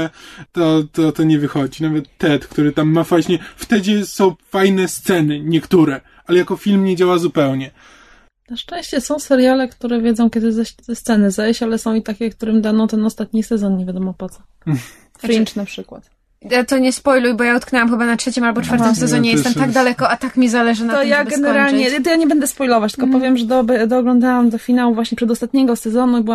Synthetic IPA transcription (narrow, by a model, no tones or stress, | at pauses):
t̪ɔt̪ɔt̪ɔɲɛvɘxɔd͡ʑinavɛt̪ːɛt̪kt̪uɾɘt̪amːafajɕɲɛft̪ɛd͡ʑɛsɔ̃w̃fajnɛst̪sɛnɘɲɛkt̪uɾɛ | alɛjakɔfʲilmɲed͡ʑawazupɛwɲɛ | naʂt͡ʂɛ̃w̃ɕt͡ɕɛsɔ̃w̃sɛɾjalɛkt̪uɾɛvʲjeɛd̪zɔ̃w̃kʲjɛd̪ɘzɛɕt̪ɛst̪sɛnɘzɛɕt͡ɕalɛsɔ̃w̃it̪akʲɛk̚t̪uɾɘmd̪anɔ̃w̃t̪ɛnɔst̪at̪̚ɲisɛzɔnɲevʲjad̪ɔmɔpɔt̪sɔ | fɾint͡ʂnapʂɘkwa̰t̪ | jat̪ɔɲɛspɔjlujbɔjaut̪̚knɛwamxɘbanatʂɛt͡ɕimalbɔt͡ʂfaɾt̪ɔmsɛzɔɲɛjɛst̪ɛmt̪aɡ̚d̪alɛkɔat̪akmʲizalɛʐɨnat̪ɔjaɡɛnɛɾalɲɛt̪ɔjaɲɛbɛnd̪ɛspɔjlɔvat͡ɕt̪l̥kɔpɔvʲjɛmʐɛd̪ɔbɛd̪ɔːɡlɔ̃nd̪awamd̪ɔfʲinawuvwaɕɲɛpʂɛd̪ɔst̪at̪̚ɲɛɡɔsɛzɔnubɨwa